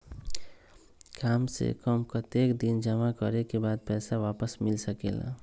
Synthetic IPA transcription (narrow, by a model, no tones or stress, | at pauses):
kamsḛkəmkət̪ekd̪ind͡ʒəmakəɾekebad̪̚pɛːsaʋapəsmilsəkḛla̰